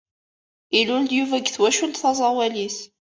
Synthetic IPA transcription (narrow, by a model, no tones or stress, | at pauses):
ilʊld̪juvæɡθwæʃʊnt̪θɑzˤɑwælis